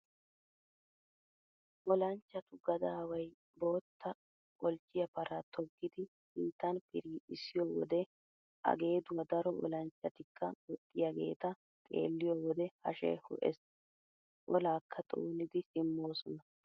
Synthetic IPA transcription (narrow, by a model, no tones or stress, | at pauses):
ʔɔlɐnt͡ʃːɐt̪ʊɡɐd̪aːwɐj | bo̞ːt̪ːɐ | kʼɔlt͡ʃʼːɪjɐpɐɾɐt̪ʰɔɡːɪd̪ɪ | hiːt̪ːɐnpɪɾiːɪsːɪjoːwɔ̰d̪ɛ | ʔɐ̰ɡe̞ːd̪ʊwɐd̪ɐɾɔʔɔ̰lɐnt͡ʃːɐt̪ɪkʰːɐ̰ɡɔt̪ʼːɪjaɡe̞̰ːt̪ɐ | tʼḛːlːɪjowɔd̪ɛhɐ̰ʃɛ̰jhʊ̰ʔɛ̰s | ʔɔlaːkʰːɐt̪ʼo̰ːnɪd̪ɪsɪmːo̞ːsɔnɐ